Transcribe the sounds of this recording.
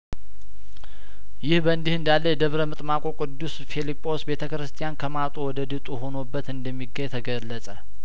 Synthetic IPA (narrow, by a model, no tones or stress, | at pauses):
jɪhbəɨnd̪ihɨnd̪alːəjɛd̪əβɾəmɨt̪ʼmakʼokʼɨd̪ːusfilipʼːo̞sbe̞t̪ʰəkɾɨst̪ʰijankʰəmat̪ʼuwɔd̪əd̪ɨt̪ʼuɦo̞nobːət̪ɨnd̪əmːiɡːəɲt̪ʰəɡəlːəsʼə